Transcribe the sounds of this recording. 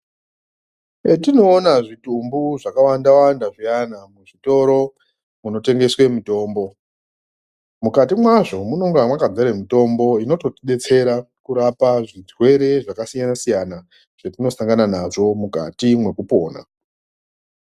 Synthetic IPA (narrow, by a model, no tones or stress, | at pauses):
etino̞ːnaʐitumbuʐakawandawandaʐianamuʐito̞ɾo̞ | muno̞te̞ŋɡe̞swe̞muto̞ːmbo̞ | mukatimwaʐo̞muno̞ŋɡamwakad͡zaɾemuto̞mbo̞ino̞to̞tiɗe̞t͡se̞ɾa | kuɾapaʐid͡zwe̞ɾe̞ʐakasijanasijana | ʐ̥etino̞saŋɡananaʐo̞muka̰timwe̞kupo̞ːna̰